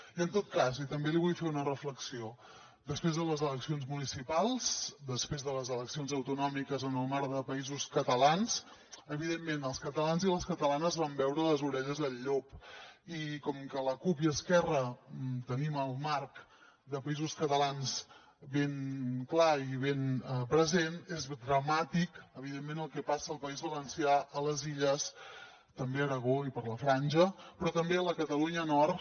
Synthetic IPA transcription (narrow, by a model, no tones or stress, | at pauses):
iənt̪ot̪̚kazit̪əmbeliβ̞ujfeunərəfləksio | d̪əspɾezðələzələksionzmunisipalˠzd̪əspɾezðələzələksionzəwt̪unɔmikəzənəlˠmaɾðəpəizuskət̪əlans | əβ̞iðemːenəlˠskət̪əlanziləskət̪əlanəzβambɛwɾələzuɾɛʎəzðəʎːopikɔmkələkupjəːskɛrət̪əniməlˠmaɾk | d̪əpəizuskət̪əlanz | βeŋklaiβenpɾəzenezd̪ɾəmat̪ikəβiðemːenəlˠkɛpasəːlˠpəizβələnsiaʔələziʎəs | t̪əmbeəɾəɣoipəɾləfɾanʲʒəpɾɔt̪əmbeələkət̪əluɲənɔr